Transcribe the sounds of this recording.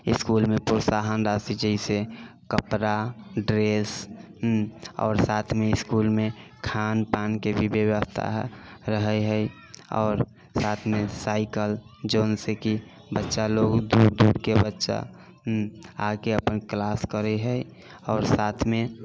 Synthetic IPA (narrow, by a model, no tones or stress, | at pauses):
ɪskuːlmẽpʊɾsaɦənɾasid͡ʒəɪsekəpɾaɖɾes | ɔ̰ːɾsaːt̪ʰmeɪskulmẽkʰaːnpaːnkebʱibewəst̪ʰa̰ɾəɦəɦəi | ɔ̰ːɾ | saːt̪ʰmẽsaːɪkəld͡ʒoːnseki | bətːʃaloːɡd̪uːɾd̪uːɽkebətːʃa̰ | akeəpənklaːskəɾɛɦəi | ɔːɾsaːt̪ʰmẽ